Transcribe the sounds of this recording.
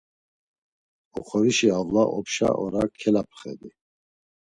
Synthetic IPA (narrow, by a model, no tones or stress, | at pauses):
ɔχʰɔɾiʃiavlaʔɔpʃa̰ʔɔɾakʰɛlapʰχɛ̰d̪i